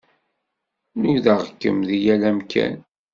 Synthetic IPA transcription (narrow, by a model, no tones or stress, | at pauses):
nuðəʁkːə̰mðijælæmkʰæ̰n